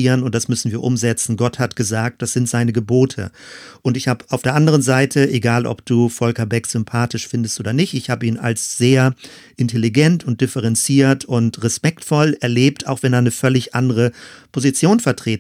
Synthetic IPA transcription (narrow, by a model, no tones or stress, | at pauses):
iːʁənʊnt̚d̥asmʏsn̩viːɐʔʊmzɛt͡sn̩ɡɔthatɡ̥əzaːk̚t̚d̥asz̥ɪntz̥aɪnəɡəboːtʰə̰ʔʊntɪçhaːbəʔaʊfd̥eːɐʔandəʁ̞ənzaɪtʰəʔeɡaːlʔɔ̰p̚d̥uːfɔlkɐbɛkz̥ʏmpʰaːtɪʃfɪndəstʔoːdɐnɪçtɪçhaːbəiːna̰lsz̥eːɐ | ʔɪntʰeliɡɛntʊnt̚d̥ɪfəʁɛnt͡siːɐtʰʊntʁɛspɛktfɔlɛɐleːp̚tʰaʊxv̥ɛneːɐnəfœlɪçʔandəʁəpʰozit͡sjoːnfɛɐtʁ̥eː